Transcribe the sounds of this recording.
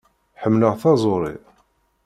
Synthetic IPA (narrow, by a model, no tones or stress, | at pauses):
ħəmːləʁθɑzˤoɾˤḭ